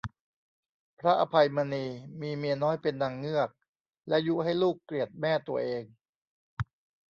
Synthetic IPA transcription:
pʰɾa˦˥ʔa˧pʰa˧jma˧niː˧miː˧mi˧ɐnɔː˦˥jpe˧nda˧ŋːɯ˥˩ək̚ | lɛ˦˥ju˦˥ɦa˥˩jluː˥˩kːli˨˩ət̪̚mɛː˥˩t̪u˧ɐʔeː˧ŋ

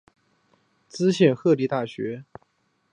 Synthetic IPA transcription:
t͡sɹ̩˥ɕjɛ˥˧nxɤ˥˧li˥˧t̪a˥˩ɕɥɛ˧˥

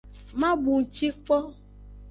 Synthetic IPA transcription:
mã˦bu˨ŋ̩˨t͡ʃi˦k͡pɔ˦

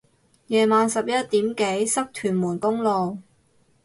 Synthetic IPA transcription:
jɛː˨maː˨nsɐ˨p̚jɐ˥t̚t̪iː˨˥mke˨˥jsɐ˥k̚t̪ʰyː˨˩nmuː˨˩nkʊ˥ŋlo˨w

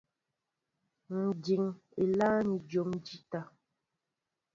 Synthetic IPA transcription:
n̩˨d͡ʒi˨ŋ | e˨la˦ni˨d͡ʒo˨md͡ʒi˦ta˨

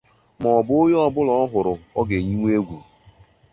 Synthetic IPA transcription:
mɔ˨bʊ˦o˦jɔ˦bʊ˦lɔ˦ɔ˦ɦʊ˨ɾʊ˨ɔ˦ɡe˨ɲi˦ŋ˦e˦ɡʷu˨

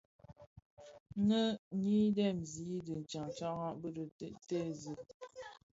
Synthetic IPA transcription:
nə˦ŋi˦dɛ˦˨mzi˨˦də˨n̩˨t͡ʃa˨ŋ˨t͡ʃa˦ɣa˦bə˦ɾə˨˦te˦zə˨

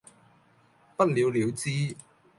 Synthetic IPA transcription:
pɐ˥t̚liː˨˧wliː˨˧wt͡siː˥

